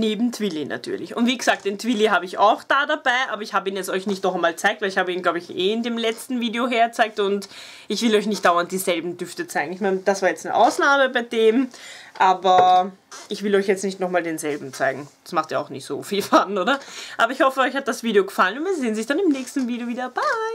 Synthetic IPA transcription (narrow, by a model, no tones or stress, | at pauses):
neːbm̩tʰv̥ɪlinʔa̰tʰy̰ːɐlɪçʊ̰ntviːɡəz̥aːk̚t̚d̥eːntv̥iliɦaːbəɪça̰ʊxd̥aːdabaɪʔa̰ːbɐɪçhaːbəiːnjɛt͡stɔʏçnɪçtnɔχɛmaːlt͡saɪktvɛlɪçhaːbəiːnɡlaʊbəɪçeːɪndeːmlɛt͡stn̩viːdeoɦeːɐt͡saɪk̚tʊnt | ɪçv̥ɪlɔʏçnɪçt̚d̥aʊɐnt̚d̥iːzɛlbm̩d̥ʏftət͡saɪɡŋ̩ɪçmɛːnəd̥asv̥aːɐjɛt͡stnə̰ʔa̰ʊsnaːməbaɪdeːmʔaːbɐ | ʔɪçv̥ɪlɔʏçjɛt͡stnɪçtnɔχmaːldeːnzɛlbm̩t͡saɪɡŋ̩d̥ḁsmaχtiːɐaʊxnɪçtz̥o̰ːfiːlfanʔoːɾɐʔa̰ːbɐɪçhɔfəɔʏçhat̚d̥asv̥iːdeoɡəfalənʊntviːɐzeːənzɪçd̥anɪmnɛːçstn̩viːdeoviːdɐb̥aɪ